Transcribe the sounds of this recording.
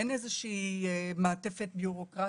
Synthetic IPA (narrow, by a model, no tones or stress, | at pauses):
enezeʃiːmaːtefet̪̚bjuʁo̞kʁa